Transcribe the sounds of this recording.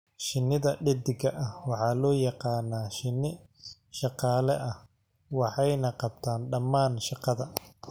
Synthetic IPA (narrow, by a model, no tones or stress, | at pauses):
ʃɪnɪðɐɖɪd̪ɪɡɐʔɐhwɑħɑːlɔːjɑqɑːnaːʃɪnɪ | ʃɑqɑːlɛʔɐ | wɑħɑjnɐqɑb̚t̪ʰaːnɖɐmːaːnʃɑqɑðɐ